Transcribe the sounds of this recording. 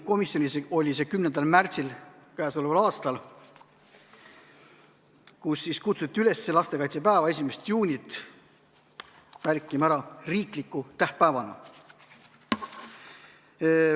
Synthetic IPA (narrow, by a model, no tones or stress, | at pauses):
ko̞misjo̞nʲiseo̞lʲise̞kymnend̪ɑlmært̪silkæːso̞levɑlɑːst̪ɑl | kusːiskut̪sut̪ʲˑːiyle̞sːelɑst̪e̞kɑjt̪sepæːvɑe̞s̬ʲimest̪juːnʲit̪ːˑ | mærkˑimæɾɑriːklikːˑut̪æhpæːvɑnɑ̰